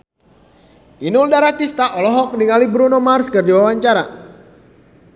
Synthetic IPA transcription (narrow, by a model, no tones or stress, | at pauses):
inuldaɾat̪ist̪aʔɔlɔɦɔk̚niŋalibɾunomarskɨrdiwawaɲt͡ʃaɾa